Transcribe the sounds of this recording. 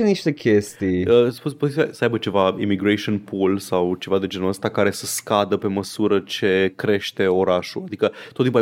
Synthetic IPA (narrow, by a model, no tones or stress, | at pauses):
eniʃt̪e̞kʲʰest̪ijəspupoziasəajbət͡ʃe̞vaḭmiɡɾeʃionpʰulsawt͡ʃe̞vad̪e̞d͡ʒe̞nəst̪akaɾe̞səskad̪əpe̞məsuɾət͡ʃe̞kɾe̞ʃt̪e̞o̞ɾaʃṵad̪ikət̪ot̪ːimpua